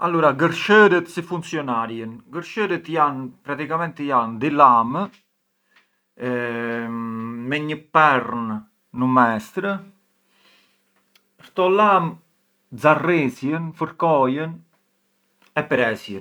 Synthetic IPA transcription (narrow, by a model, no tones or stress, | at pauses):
alːuɾaɡəɾʃəɾət̪sifunt͡siɔnaɾjənɡəɾʃəɾət̪janpɾat̪ikamɛnt̪jand̪ilam | mɛɲəpɛɾnː | əmɛst̪ɾə | ɾt̪ɔlam | d͡zarɛsjənfəɾkɔjən | ɛpɾɛsjən